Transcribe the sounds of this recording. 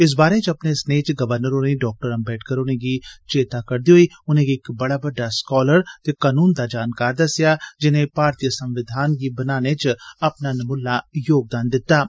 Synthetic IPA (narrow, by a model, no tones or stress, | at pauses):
ɪs̬baːɾẽt͡ʃɐpnesnet͡ʃɡɐʋəɾnəɾoneɖɔːk̚ʈəɾɐ̃mbɛːʈʰkəɾʊnẽkit͡ʃeːt̪akɐɾd̪ioi | ʊnɦẽkiːkbɐɽabɐɖaskɔːləɾt̪ekaːnuːnd̪ad͡ʒaːnkaːɾd̪ɐsjad͡ʒɪnẽpaːɾt̪ijəsɐ̃mʋɪd̪ʱaːnk̬ibɐnaːnet͡ʃɐpnanɐmʊlːajoːɡ̚d̪aːnd̪ɪt̪ːaː